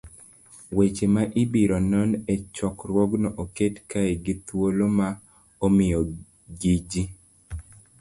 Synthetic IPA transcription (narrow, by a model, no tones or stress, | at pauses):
wet͡ʃemaʔibiɾɔnɔnɛt͡ʃɔkɾwɔɡnɔʔoketkaeɡɪt̪woloma | omɪjɔ | ɡid͡ʒi